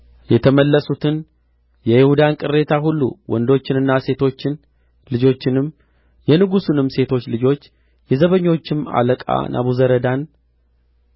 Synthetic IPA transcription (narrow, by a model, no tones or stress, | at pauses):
jɛt̪ʰəməlːəsut̪ʰɨn | jɛjɪhud̪ankʼɨrːe̞t̪ʰaɦulːṵwʔɔ̰nd̪o̞t͡ʃːɪnɨnːase̞t̪ʰo̞t͡ʃːɪn | lɨd͡ʒo̞t͡ʃːɪnɨm | jɛnɨɡusunɨmːse̞t̪ʰo̞t͡ʃːlɨd͡ʒo̞t͡ʃː | jɛzəβəɲːo̞t͡ʃːɪma̰ləkʼa̰nʔa̰βuzəɾəd̪an